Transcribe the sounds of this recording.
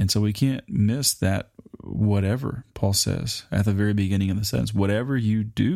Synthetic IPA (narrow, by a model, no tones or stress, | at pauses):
ɨ̃nsoʊwikʰæ̃nmɪsðɨ̰t̚wʌɾɛvə̰˞pʰɔlˠsɛ̰z̥ɨ̰t̪̚ðɨvɛɹibɨɡɪ̃ɾ̃ɪ̃ŋɨ̃nðɨsɛ̰̃nswʌɾɛvə˞jɨdɨ